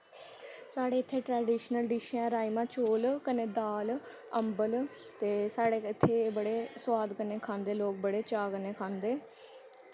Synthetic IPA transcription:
saːɽeːɪt̪ʰːeːʈɾɛːɖiːʃnəlɖiːʃãːɾaːimãːt͡ʃoːlkəneːd̪aːl | əmbəl | t̪eːsaːɽeːɪt̪ʰːeːbəɽeːswaːd̪kəneːkʰãːnd̪eːloːk̚bəɽeːt͡ʃaːkəneːkʰãːnd̪eː

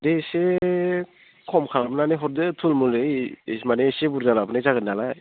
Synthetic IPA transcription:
dese | kʰɔmkʰalabɯnaneɦɔɾdɯtʰulmulɯjsmanesebuɾdalapɯnajzaɡɯnːalaj

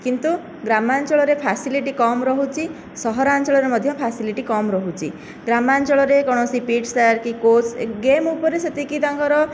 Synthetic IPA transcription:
kint̪u | ɡɾamant͡ʃɔɭɔɾepʰasiliʈikɔmɾɔɦut͡ʃʰi | sɔɦɔɾant͡ʃɔɭɔɾemɔd̪ʱjɔpʰasiliʈikɔmɾɔɦut͡ʃʰḭ | ɡɾamant͡ʃɔɭɔɾekɔɽ̃ɔsipiʈsaɾkikosɡemupɔɾeset̪ikit̪aŋkɔɾɔ

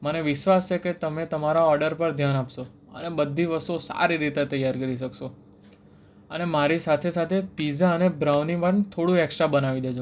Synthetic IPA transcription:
məneʋɪʃʋast͡ʃʰeket̪əmet̪əmaɾaɔɾɖəɾpəɾd̪ʱjanapʃo | ə̰nebəd̪ʱːiʋəst̪uosa̰ɾiɾit̪et̪əjːaɾkəɾiʃ̬əkʃo | ənemaɾisat̪ʰesat̪ʰepizaənebɾaʋnipəɳt̪ʰoɽũɛkʃabənaʋid̪ed͡ʒo

